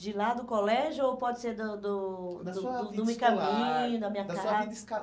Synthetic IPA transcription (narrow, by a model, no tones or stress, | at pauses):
d͡ʒɪlad̪ʊkolɛʒʊowpɔd͡ʒɪseɾd̪ʊd̪ʊd̪d̪ʊmekɐ̃mĩɲʊd̪ɐmĩɲɐka